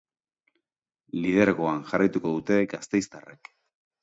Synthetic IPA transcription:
lið̞e̞ɾɣoanʝarajt̪uko̞ð̞ut̪e̞ɡast̪e̞jst̪arek

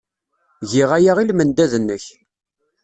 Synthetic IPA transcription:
ʝiʁæjaʁilmənd̪æðənːəç

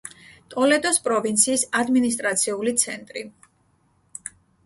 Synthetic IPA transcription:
t̪ʼɔlɛd̪ɔspʼɾɔvint̪sʰiːsad̪minis̬t̪ʼɾat̪sʰiulit̪sʰɛnt̪ʼɾi

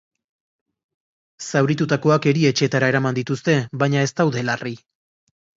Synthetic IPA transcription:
sawɾit̪ut̪ako̞ake̞ɾie̞t͡ʃe̞t̪aɾae̞ɾamand̪it̪ust̪e̞βbajɲae̞st̪awðe̞lari

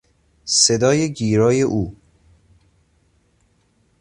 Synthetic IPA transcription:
sed̪ɒːjeɟiːɾɒːjeʔuː

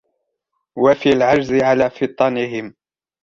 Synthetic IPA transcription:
wafialʕad͡ʒzɪʕalaːfɨt̪ˤːɑnɪɦɪm

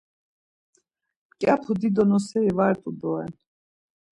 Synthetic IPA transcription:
kʼapʰud̪id̪ɔnɔsɛivaɛt̪ʼud̪ɔɛ̰n

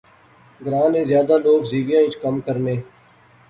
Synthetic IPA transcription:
ɡɾãːnẽːzjaːd̪aːloːɡziːʋɪjãːĩt͡ʃkəmkəɾneː

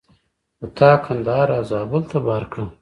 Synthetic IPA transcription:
ət̪ʰaːkʰɐnd̪aːɾaːzaːbʊlt̪ɐbaːɾkɽɐ

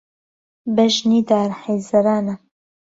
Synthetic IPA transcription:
bɛʒniːd̪aːɾħejzɐɾaːnɐ

